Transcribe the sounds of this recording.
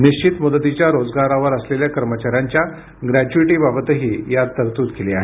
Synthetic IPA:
niɕt͡ɕit̪mud̪ət̪it͡ɕjaɾod͡zɡaɾaʋəɾəsleljakəɾmət͡ɕaɾjaɲt͡ɕja | ɡɾæd͡ʑuiʈiːbabət̪əɦiːjad̪̚t̪ːəɾt̪uːd̪keleaɦe

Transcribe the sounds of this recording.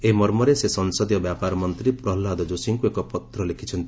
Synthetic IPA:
eɦimɔɾmɔɾesesɔnsɔd̪ijɔbjapaɾɔmɔnt̪ɾipɾɔɦlːad̪ɔd͡ʒusiŋkuekɔpɔt̪ɾɔlekʰit͡ʃʰɔnt̪i

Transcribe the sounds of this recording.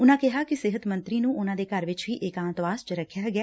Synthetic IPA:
ʊnãːkɪɦaːkɪsɪɦət̪mə̃nt̪ɾiːnũːʔʊnãːd̪eːkəɾʋɪt͡ʃʋiːʔɪkãːnt̪ʋaːst͡ʃɾəkʰjaːɡjaː

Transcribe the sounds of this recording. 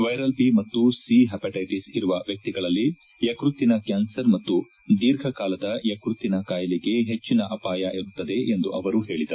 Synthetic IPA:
ʋɐjɾɐlpimɐt̪ːusiɦɛːpɐʈɐjʈisiɾuʋɐʋjɐk̚t̪iɡɐɭɐlːi | jɐkɾut̪ːinɐkjaːnsɐɾmɐt̪ːu | d̪iːɾɡʰʱɐkaːlɐd̪ɐjɐkɾut̪ːinɐkaːjɐliɡe̞ɦet͡ʃːinɐʔɐpaːjɐʔiɾut̪ːɐd̪e̞ʔend̪uʔɐʋɐɾuɦe̞ːɭid̪ɐɾu

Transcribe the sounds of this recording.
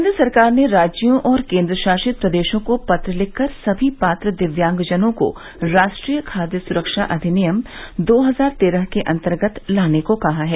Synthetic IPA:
nd̪ɾəsɐɾkaːɾneɾaːd͡ʒijõʔɔːɾkẽːnd̪ɾəʃaːʃɪt̪̚pɾɐd̪eːʃõkopɐt̪ɾəlɪkʰːəɾsɐbʱipaːt̪ɾəd̪ɪʋjãːŋɡd͡ʒənõko̰ | ɾaːʃʈɾiːjəkʰaːd̪jəsʊɾəkʃaʔɐd̪ʱinijəmd̪oːɦɐzaːɾt̪eːɾəɦkeʔɐ̃nt̪əɾɡət̪laːnekokɐɦaɦɛː

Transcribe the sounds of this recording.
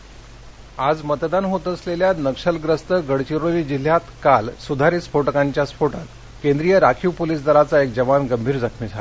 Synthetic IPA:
ad͡zmət̪d̪anɦot̪əsleljanəkʂəlɡɾəst̪əɡəɽt͡ɕiɾoliːd͡ʑil̤jat̪kalsud̪ʱaɾispoʈəkaɲt͡ɕjaspʰoʈat̪ | kẽnd̪ɾijəɾakʰipoliːsd̪ʱəɾat͡saek̚d͡ʑəʋanɡəmbʱiːɾd͡zəkʰmid͡zʱal

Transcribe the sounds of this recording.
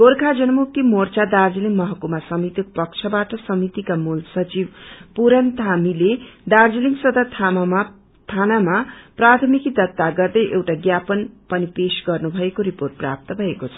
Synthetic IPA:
ɡ̥orkʰad͡zʌnʌmuk̚t̪imort͡sad̪ard͡ziliŋmʌɦʌkumasʌmit̪ik̚pʌk̚t͡sʰʌbaʈʌsʌmit̪ikamulsʌt͡sibpuɾʌnt̪ʰamiled̪ard͡ziliŋsʌd̪at̪ʰam | t̪ʰanamaprat̪ʰmikid̪ʌt̪ːaɡʌrd̪ʌjʔewʈaɡjapʌnpʌnipesɡʌrnubʱʌekoɾiporʈ̚pra̰p̚t̪ʌbʱʌekot͡sʰʌ̥

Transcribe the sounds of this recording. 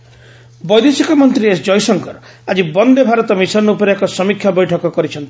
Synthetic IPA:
bɔjd̪esikamɔnt̪ɾiesd͡ʒɔjsɔŋkɔɾ | ad͡ʒibɔnd̪ebʱaɾɔt̪ɔmisɔɔnupɔɾeekɔsɔmikʰjabɔjʈʰɔkɔkɔɾit͡ʃʰɔnt̪i̥

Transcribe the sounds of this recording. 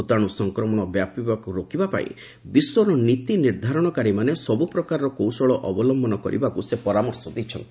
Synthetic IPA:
ut̪aɽ̃usɔŋkɾɔmɔɽ̃ɔbjapibakuɾokibapa̰ḭ | biswɔɾɔnit̪iniɾd̪ʱaɾɔɽ̃ɔkaɾimanesɔbupɾɔkaɾɾɔkowsɔɭɔʔɔbɔlɔmbʱɔnɔkɔ̰ɾḭbakusepɔɾamɔɾsɔd̪ijt͡ʃʰɔ̰nt̪i̥

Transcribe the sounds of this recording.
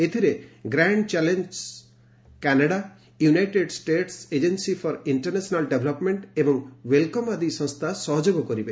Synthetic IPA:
et̪ʰiɾeɡɾaɳɖt͡ʃɛlend͡ʒs | kanaɽa | junajʈeɖsʈeʈsed͡ʒensifʰɔɾiɳʈɐɾnesɔnalɖebʱlɔpmeɳʈebɔŋwelkɔmad̪isɔ̃st̪ʰasɔɦɔd͡ʒoɡɔkɔɾibe

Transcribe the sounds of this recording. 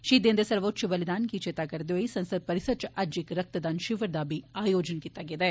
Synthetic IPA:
ʃiːd̪end̪esɐɾʋotːt͡ʃubɐlid̪aːnɡit͡ʃeːt̪aːɡɐɾd̪oisɐ̃nsɐd̪̚pɐɾisɐt͡ʃɐʔɐd͡ʒikɾɐk̚t̪ɐd̪aːnʃiʋɐɾd̪aːbiaːjoːd͡ʒɐnkit̪ɐɡed̪e

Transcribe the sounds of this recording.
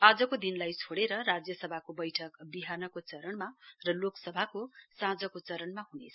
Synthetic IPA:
ad͡zʌkod̪inlajt͡sʰoɽeɾʌrad͡zjʌsʌbʱakobʌjʈʰʌkbiɦanʌkot͡sʌɾʌnmarʌloksʌbʱakosãd͡zʌkot͡sʌɾʌnmaɦunet͡sʰʌ

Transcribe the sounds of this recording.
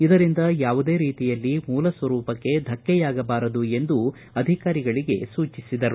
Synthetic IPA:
id̪ɐɾind̪ɐjaːʋud̪e̞ːɾiːt̪ijɐlːimuːlɐsʋɐɾuːpɐkːe̞d̪ʱɐkːɛjaːɡɐbaːɾɐd̪ue̞nd̪u | ɐd̪ʱikaːɾiɡɐɭiɡe̞̰suːt͡ʃisid̪ɐɾu

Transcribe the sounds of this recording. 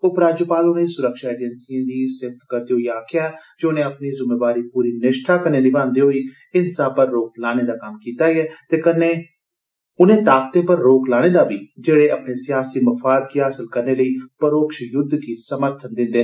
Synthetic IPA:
oːpɾaːd͡ʒopaːlʊnẽːsʊɾəkʃaːeːd͡ʒənsiãːd̪iːsɪft̪kəɾd̪iːɦoiːaːkʰɪjaːd͡ʒeʊnẽːəpniːzɪmeːbaːɾiːpuːɾiːnɪʃʈʰaːkəneːnɪbãːnd̪iːɦoːiː | ɪnsãːpəɾːoːk̚laːñeːd̪aːkəmkiːt̪aːiɛːt̪eːkəneː | ʊnẽːt̪aːk̚t̪ẽːpəɾːoːklaːɽ̃eːd̪aːbiːd͡ʒeːɽeːəpneːsɪjaːsiːməfaːd̪kiːɦaːsəlkəɾneːləiːpəɾoːkʃjʊd̪ʱkiːsəməɾt̪ʰənd̪ɪ̃nd̪eː

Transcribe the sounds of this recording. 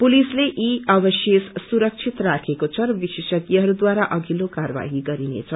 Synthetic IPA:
pulisleʔiʌbʌsjessuɾʌk̚t͡sʰit̪rakʰekot͡sʰʌrʌbisesʌɡjiɦʌɾud̪waɾaʔʌɡʱilokarba̰ɦiɡʌɾinḛt͡sʰʌ

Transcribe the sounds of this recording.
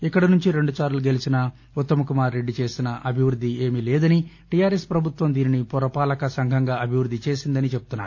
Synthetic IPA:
ikːɐɽɐnuɲt͡ʃiɾe̞ɳɖusaːɾluɡe̞lisinɐ | ut̪ːɐmɐkumaːɾːe̞ɖːit͡ʃe̞ːsinɐʔɐbʱiʋɾud̪ʱːie̞ːmilɛːd̪ɐni | ʈijaːɾespɾɐbʱut̪wʋɐmd̪iːninipɔɾɐpaːlɐkɐsɐŋɡʱɐŋɡaːɐbʱiʋɾud̪ʱːit͡ʃe̞ːsind̪ɐnit͡ʃe̞pb̚ut̪unːa̰ːɾu

